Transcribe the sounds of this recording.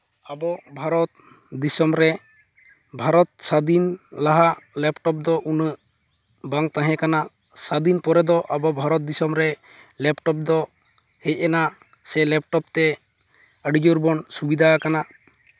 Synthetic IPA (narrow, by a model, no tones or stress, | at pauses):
abɔbʱaɾɔt̪̚ | d̪isɔmɾɛ | bʱaɾɔt̪̚sad̪inlaɦalɛpʈɔp̚d̪ɔʔunə | baŋt̪ãɦɛ̃kanaʔ | sad̪inpɔɾɛd̪ɔʔabɔbʱaɾɔt̪̚d̪isɔmɾɛ | lɛpʈɔp̚d̪ɔ | hɛc̚ˀɛna | sɛlɛp̚ʈɔp̚t̪ɛ | əɖid͡ʒuɾbɔnsubid̪ʱakana